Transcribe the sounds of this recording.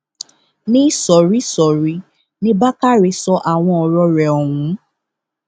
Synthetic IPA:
nĩ˦sɔ˨ɾi˦sɔ˨ɾi˨˦ | nĩ˦ba˦ka˦ɾi˧sɔ˧ʔa˨w̃ɔ̃˧ɔ˧ɾɔ˧ɾɛ˨ɔ˨wũ˨˦

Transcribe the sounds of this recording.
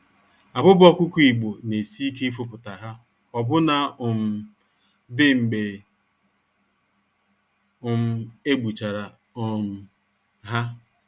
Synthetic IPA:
a˨bʊ˦bɔ˦kʷʊ˦ku˦i˨ɡ͡bo˨ne˨si˦i˦ke˦i˦fʊ˦pʊ˨ta˨ɦa˦ | ɔ˨bʊ˦na˦ʊ˨m̩˨ | dɪ˦ŋ͡m̩˨ɡ͡be˨ | ʊ˨m̩˦e˦ɡ͡bu˨t͡ʃa˨ɾa˨ | ʊ˨m̩˨ | ɦa˦

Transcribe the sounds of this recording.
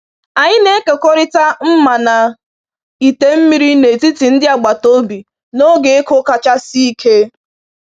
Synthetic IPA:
a˨ɲɪ˦ne˦ke˨ko˦ɾɪ˦ta˦m̩˦ma˨na˨ | i˨te˦m̩˦mi˦ɾi˦ne˨ti˦ti˨n̩˦dɪ˦a˨ɡ͡ba˨to˦bi˨ | no˦ɡe˨e˦kʊ˦ka˨t͡ʃa˦si˦i˦kʰe˦

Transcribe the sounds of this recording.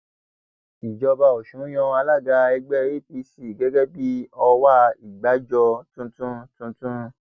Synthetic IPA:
i˨d͡ʒɔ˧ba˧o˨ʃũ˨˦j̃ɔ̃˧a˧la˦˨ɡa˧ɛ˧ɡ͡bɛ˦ɾi˦pi˧si˨ɡɛ˨˦ɡɛ˦bi˦ɔ˧wa˦i˨ɡ͡ba˨˦d͡ʒɔ˧tũ˦tũ˦tũ˧tũ˦

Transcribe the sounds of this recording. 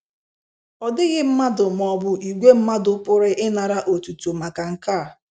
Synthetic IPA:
ɔ˨dɪ˦ɣɪ˦m̩˦ma˦dʊ˨m˨ɔ˨bʊ˨i˨ɡʷe˦m̩˦ma˦dʊ˦pʊ˦ɾɪ˦ʔɪ˦na˨ɾa˦ʔo˨tu˨tu˨ma˨ka˨ŋ̩˨ka˦˨

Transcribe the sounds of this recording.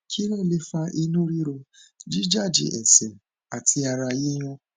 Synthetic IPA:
kʰi˦ɾe˦˨le˦fa˧ʔi˦nũ˦ɾi˦ɾo˧d͡ʒi˦d͡ʒa˦˨d͡ʒḭ˨ʔɛ˨sɛ̃˨ | a˨tʰi˧a˧ɾa˧je˦j̃ɔ̃˧

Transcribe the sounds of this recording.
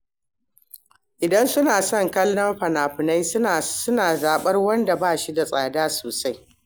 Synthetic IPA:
ʔɪ˨dɐ˦nsʊ˦naː˨sɔ˦˨ŋkɐ˦lːɐ˦mɸɐ˨naː˨ɸɪ˨na˦ja˨sʊ˦naː˨zaː˨ɓɐ˦rwɐ˦nda˨baː˦˨ʃi˦da˨sʼaː˨daː˦soː˨sa˦j

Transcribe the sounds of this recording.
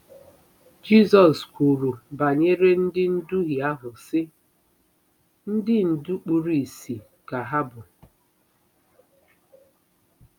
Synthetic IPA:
d͡ʒi˦zɔ˨skʷu˨ɾu˨ba˨ɲe˦ɾe˦n̩˦dɪ˦n̩˦du˦ɦi˨a˦ɦʊ˨sɪ˦ | n̩˦dɪ˦n̩˨du˦k͡pu˨ɾi˨si˨ | ka˨ɦa˦bʊ˨

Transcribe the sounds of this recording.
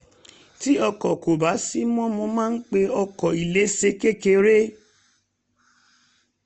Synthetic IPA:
ti˦ɔ˧kɔ˨ko˨ba˨˦si˦mɔ̃˦mɔ̃˧mãː˦n̩˦k͡pe˧ɔ˧kɔ˨i˨le˨˦se˧˦ke˦ke˧˦ɾe˦

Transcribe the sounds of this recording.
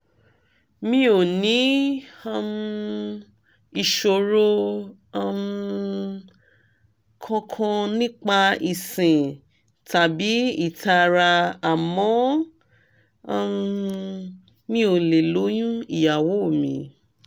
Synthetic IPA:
mĩ˦o˨nĩ˨˦a˧m˦˧ | i˧˨ʃo˧˨ɾo˧ | m | kʰɔ̃˧kʰɔ̃˧nĩ˦k͡pa˧i˨sĩ˨ | ta˨bi˨˦i˦˨tʰa˧ɾa˧a˨mɔ̃˨˦˧ | m | mĩ˦o˨le˨lo˨˦j̃ũ˦i˨ja˨wo˨˦o˦˨mĩ˨

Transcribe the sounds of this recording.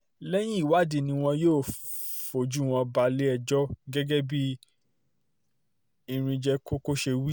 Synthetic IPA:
lɛ˦j̃ĩ˦i˦˨wa˦di˧nĩ˧w̃ɔ̃˧joː˦˨fo˨d͡ʒu˨˦w̃ɔ̃˧ba˧le˦ɛ˧d͡ʒɔ˦ɡɛ˦ɡɛ˦bi˦ | i˧˨ɾ̃ĩ˧d͡ʒɛ˧ko˦ko˦ʃe˧wi˦

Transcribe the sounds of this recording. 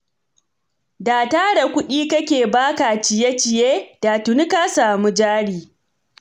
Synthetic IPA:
daː˨taː˦da˨kʷʊ˦ɗiː˦kɐ˦kʲeː˨baː˦ka˨t͡ʃɪ˨je˦t͡ʃɪ˨jeː˦d̥aː˨tʊ˨ni˦ka˦saː˨mu˦d͡ʒaː˦ɽiː˨

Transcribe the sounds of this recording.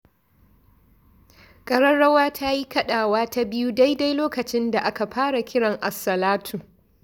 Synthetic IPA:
kʼɐ˦ɽɐ˦nɽɐ˦waː˦tʰa˦ji˦kɐ˦ɗaː˨waː˦ta˦bɪ˦ju˦da˦jda˦jloː˦kɐ˨t͡ʃɪ˦nda˨ʔa˦ka˨ɸaː˦ɽa˨kʲɪ˦ɽɐ˨ŋʔa˨sɐ˨laː˦tʰu˨

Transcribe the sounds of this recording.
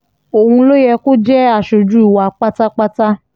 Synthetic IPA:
o˨hũ˧lo˦jɛ˧ko˦d͡ʒɛ˦a˦˨ʃo˨d͡ʒu˦˨wa˧˦k͡pa˦ta˦k͡pa˦ta˦

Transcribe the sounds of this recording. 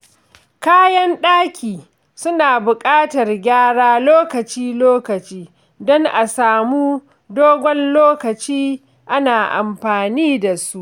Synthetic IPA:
kaː˦jɐ˦nɗaː˦kʲʰiː˨ | sʊ˦naː˨bʊ˨kʼaː˦tɐ˨rɡʲaː˦ɽaː˦loː˦kɐ˨t͡ʃiː˦loː˦kɐ˨t͡ʃiː˦ | dɔ˦ŋʔa˨saː˨muː˦ | doː˦ɡʷɔ˦nloː˦kɐ˨t͡ʃiː˦ | ʔa˦naː˨ʔa̰˨mɸaː˨niː˦da˨su˦ʔ

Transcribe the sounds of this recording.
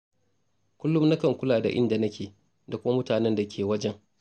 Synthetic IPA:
kʷʊ˦lːʊ˦mna˦kɐ˨ŋkʷʊ˦laː˨da̰˨ʔɪ̰˦nda˨nɐ˦kʲeː˨ | da˨kʷʊ˦ma˦mʊ˦taː˨nɛ˦nda˨kʲeː˨wɐ˦d͡ʒɛ˦ŋ

